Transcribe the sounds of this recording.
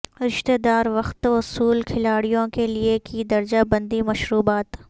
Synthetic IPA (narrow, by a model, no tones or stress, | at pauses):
ɾɪʃt̪eːd̪aːɾʋɐxt̪ʊsuːlkʰɪlaːɽijõkeliekid̪ɐɾd͡ʒabɐ̃nd̪imɐʃɾuːbaːt̪